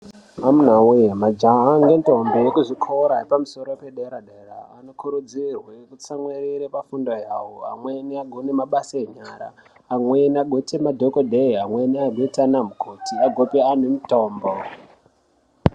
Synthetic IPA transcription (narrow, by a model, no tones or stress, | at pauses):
amun̤awujemad͡ʒaaŋɡe̞ntombojekuʐikʰoɾaepamuso̞ɾo̞pe̞ɗeɾaɗeraːnokʰuɾud͡zirwekut͡saŋweɾiɾepafundoja̰woa̰mweniaɡʱonemaɓasaeɲaːɾa̰ː | mweniaɡʱotemadʱokodʱeamweniaɡʱotanamukʰotiaɡʱopianemitoːmbo